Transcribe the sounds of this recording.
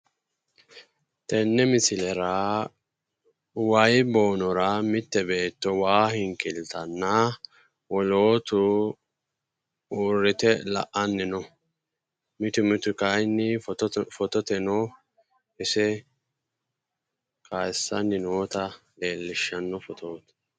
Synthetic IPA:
t̪ɛnːɛmɪsɪlɛɾa | wɐjbo̞ːnɔɾɐmɪt̪ːɛbe̞ːt̪ːɔwaːhɪŋkɪlt̪ɐnːɐ | wɔlo̞ːt̪ʊ | uːɾːɪt̪ɛlɐ̰ʔɐnːɪnɔ | mɪt̪ʊmɪt̪ʊkɐjnːɪffɔt̪ɔt̪ɛnɔ | ʔɪsɛ | kʰajsːɐnːɪnoːt̪ɐle̞ːlːɪʃːɐnːɔfɔt̪ʰoːt̪

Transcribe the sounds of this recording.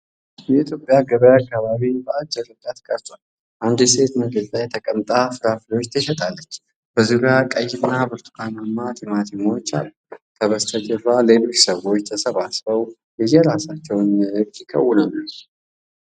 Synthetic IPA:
jɛit̪ʰjo̞pʼːjaɡəβəjakːaβaβibəad͡ʒːɛɾɨd͡ʒʼat̪kʼəɾt̪ʼan | ʔand̪ɛse̞t̪nəɡəzlajɛt̪ʰəkʼəmt̪ʼafɨɾaflo̞t͡ʃːt̪ʰəʃɛt̪ʼalːət͡ʃː | b̥əzuɾjakʼəjːɪnːabɨɾt̪ʰu̥kʰanamːat̪ʰimat̪ʰimawot͡ʃːa̰lːut̪ʰəβəst̪ʰəd͡ʒɛfale̞lo̞t͡ʃːsəβo̞t͡ʃːt̪ʰəsəβasfəw | jɛjɛɾasat͡ʃːɛwnək̪ːikʼə̰wːʊnanːə

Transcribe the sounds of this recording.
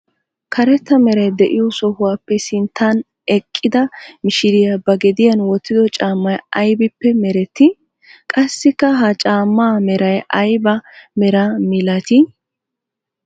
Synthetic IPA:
kʰɐɾɛt̪ːɐmɛɾɐjd̪ɛʔɪjɔsɔhʊwaːpːɛsɪnt̪ʰːan | ɛkʼːɪd̪ɐmɪʃɪɾɪjɐbɐɡɛd̪ɪjɐnwɔt̪ːɪd̪ɔt͡ʃʼaːmːɐjɐjbɪpːɛmɛɾɛt̪ːɪ | kʼɐsːɪkːɐɦɐt͡ʃʼaːmːaːmɛɾɐjʔɐjbɐmɛɾɐmɪlɐt̪ɪ

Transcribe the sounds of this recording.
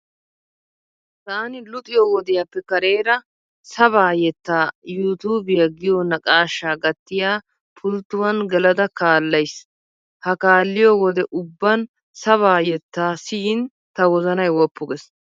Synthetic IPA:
t̪aːnɪlʊt̪ʼɪjɔwɔd̪ɪjɐpːɛkɐɾe̞ːɾɐ | sɐβaːjɛt̪ːaːjuːt̪uːbɪjɐɡɪjɔnɐkʼaːʃːaːɡɐt̪ːɪjaː | pʰʊlt̪ːʊwɐnɡɛlɐd̪ɐkaːlːɐjs | hɐkaːlːɪjɔwɔd̪ɛʔʊbːɐn | sɐβaːjɛt̪ːaːsɪjɪn | t̪ɐwɔzɐnɐjwɔpːʊɡɛs

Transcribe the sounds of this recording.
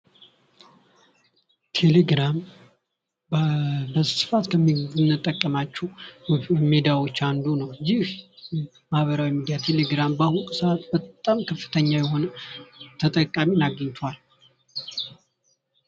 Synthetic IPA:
t̪ʰe̞leɡɾam | bəssɨ̥fat̪kʰəmːinːɨt̪ʼːəkʼːəmat͡ʃːɛ | med̪ijawo̞t͡ʃːand̪unəwjːɪh | mahβəɾawimid̪ijat̪ʰe̞le̞ɡɾambahukʼsat̪bət̪ʼamkʰəfːɨ̥t̪ʰəɲːajɛho̞nət̪ʰət̪ʼəkʼaminaɡəɲt̪ʰal

